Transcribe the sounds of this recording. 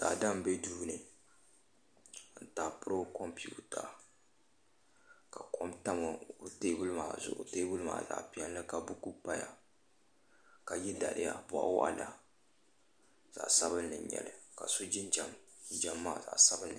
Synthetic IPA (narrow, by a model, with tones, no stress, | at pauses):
ta˨da˦m˨be˦duː˦nɨ˨ | n̩˨taː˨pɨ˦ɾo˦kɔ˦mpi˦˨u˦ta˨ | ka˨kɔ˦mta˦mɨ˨teː˦bʊ˦lɨ˦maː˨zʊ̰˨ʔʊ̰˨teː˦bʊ˦lɨ˦ma̰ː˨za̰˨ʔpi˨˦ɛ˦n˦lɨ˦ka˨bu˦ku˦pa˦ja˨ | ka˨jɛ˦da˨lɪ̰˦ja̰˨bɔ˨ʔa̰˦wa̰˦ʔa̰˦la˦ | z̥a̰˨ʔsa˦bɨ˦nːɨ˨ɲɛ̰˨lɨ˨ka̰˨so˦d͡ʒɪ˦n˦d͡ʒa˨m˦d͡ʒa˨mːaː˦˨za̰˨ʔsa˦bɨ˦nːɨ˨